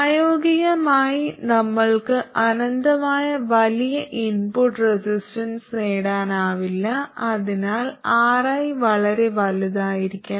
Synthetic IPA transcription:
aːjoːɡiɣɐmaːjinɐmːɐɭkɨʔɐnɐnd̪ɐmaːjɐʋɐlijɐʔinpuʈresisʈɐnsneːɽaːnaːʋilːɐɐðinaːlaːrɐjʋɐɭɐɾe̞ʋɐliðaːjiɾikʲːu

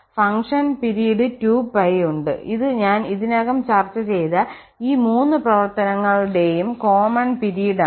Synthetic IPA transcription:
fɐŋʂɐnpiɾijɐɖɨtuːbɐjuɳɖɨ̰iðɨɲaːniðinoːɣɐmt͡ɕɐrt͡ɕːɐt͡ɕe̞jðɐ | iːmuːnːɨprɐʋɐrt̪ɐnɐŋːɐɭɽe̞jumko̞ːmɐɳpiɾijɐɖ

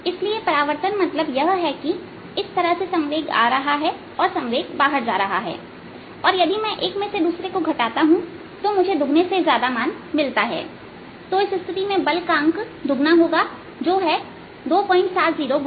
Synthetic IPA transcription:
ɪsliepɐɾaːʋəɾt̪ənmɐt̪ləbjɐɦɦɛki | ɪst̪ɐɾəɦsesɐ̃ŋʋeːɡa̰ːɾɐɦaɦɛ | ɔːɾsɐ̃ŋʋeːɡbaːɦəɾd͡ʒa̰ːɾɐɦa̰ɦɛ̰ː | ɔːɾjɐd̪imɛ̃ʔeːkmẽsed̪uːsɾekoɡʱɐʈaːt̪aɦũ | t̪omʊd͡ʒʱed̪ʱʊɡnesezjaːd̪amaːn | mɪlt̪aɦɛ̰ː | t̪oɪsɪst̪ʰɪt̪imẽbɐlkãːŋk | d̪ʱʊɡnaɦoːɡa | d͡ʒoːɦɛ | d̪oːpɔ̃ːɪ̃ɳʈsaːt̪ziːɾoɡ

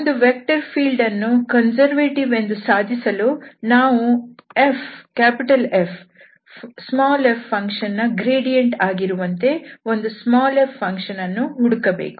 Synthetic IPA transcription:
ond̪uʋek̚ʈɐɾpʰiːlɖɐnːukɐnsɐɾʋeːʈiʋe̞nd̪usaːd̪ʱisɐluːnaːʋuefkaːpiʈɐlepʰ | smaːlepːɐŋkʂɐnːɐɡɾiːɖijeɳʈaːɡiɾuʋɐnt̪e̞o̞nd̪usmaːlepːɐŋkʂɐnɐnːuɦuɽukɐbḛːku̥

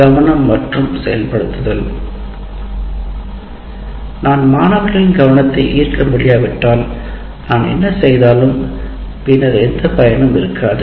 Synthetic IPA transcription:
ɡɐʋɐnɐmːɐʈrɯmsɛjɐlpɐɽɯt̪ːɯðɐl | naːnmaːnɐːʋɐɣɐɭɪnɡɐʋɐnɐt̪ːɐɪʔiːrkɐmʊɽɪjaːʋɪʈːaːl | naːnɛ̰nːɐsɛjðaːlɯmpɪnːɐɾɛnd̪ɐpɐjɐnɯmɪɾɯkʰːaːðɯ

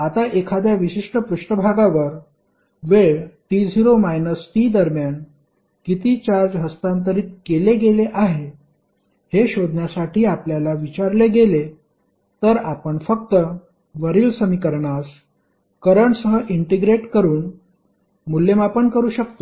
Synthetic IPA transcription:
at̪aʔekʰad̪jaʋiɕiʂʈəpɾuʂʈəbʱaɡaʋəɾ | ʋeɭʈid͡zʱiɾomajnəsʈ̪iːd̪əɾmjan | kit̪iːt͡ɕaɾd͡zɦəst̪ant̪̬əɾiːt̪keleɡeleʔaɦe | heɕod̪ʱnjasaʈʰiːapljalaʋit͡ɕaɾleɡele | t̪əɾapəɳfəkt̪ə | ʋəɾiːlsəmikəɾɳas | kəɾəɳsəɦəʔiɳʈeɡɾeʈkəɾuːn | mulːemapəɳkəɾuːɕək̚t̪o

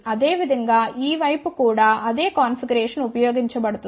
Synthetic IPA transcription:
ɐd̪e̞ːʋid̪ʱɐŋɡaːʔiːʋɐjpukuːɽaːʔɐd̪e̞ːkaːnfiɡɐɾeːʂɐnupɐjoːɡiɲt͡ʃɐbɐɽut̪ːu

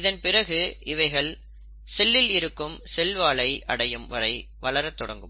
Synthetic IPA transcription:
ɪðɐnpɪɾɐɣɯɪʋɐɪɣɐɭ | sɛlːɪlɪɾɯkːɯmsɛlʋaːɭɐɪʔɐɽɐjɯmʋɐɾɐɪ | ʋɐɭɐɾɐt̪ːɔɽɐŋɡɯm

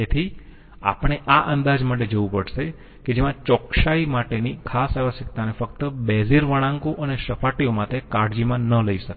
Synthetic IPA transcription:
et̪ʰi | a̰pəɽ̃eʔaʔənd̪ad͡ʒmaʈ̬ed͡ʒəʋũpəɽʃe | ked͡ʒemãt͡ʃɔkʃaimaʈenikʰasaʋəsjək̚t̪anefək̚t̪əbeziɾʋəɽ̃ãŋkoʔəneʃəpʰaʈiomãt̪ekaɽd͡ʒimãnələiʃəke

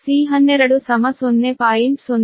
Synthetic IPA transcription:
siːɦɐnːeɾɐɽusɐmɐsonːepaːjinson

